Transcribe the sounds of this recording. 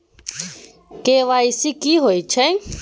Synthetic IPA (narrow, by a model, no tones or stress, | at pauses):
keʋaisikiɦoit͡ʃʰɛ